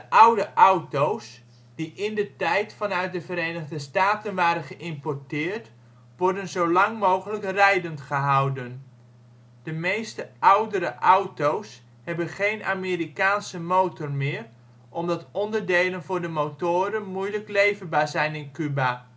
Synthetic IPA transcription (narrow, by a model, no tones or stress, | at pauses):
d̥əʔawdəʔawtows | d̥iʔɪndətɛjtfɑnœɥt̚dəvəɾeːnəɣdəstaːtənʋaːɾənχəʔɪmpɔɹtɪːrt | ʋɔɹdənzowlɑŋmoːwχələkrɛjdəntχəɦawdən | d̥əmejstəʔawdəɾəʔawtows | hɛbənχejnʔa̰merikaːnsəmowtɔrmɪːr | ʔɔmdɑtɔndərdejlənvʊːɹdəmowtoːɾənmujləklejvəbaːzɛjnɪnkyba